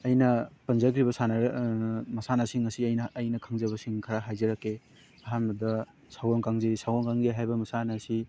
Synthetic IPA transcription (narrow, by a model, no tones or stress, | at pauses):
ɐjnɐpɐnzɐɡɾibɐsanɐɾmɐsanɐsiŋɐsiɐjnɐːjnɐkʰaŋzɐβɐsiŋkʰɐɾaɦajzɐɾɐkːe | ɐɦanbɐdɐ | sawoŋkaŋzesawɡoŋkaŋzeɦajbɐmɐsanɐsi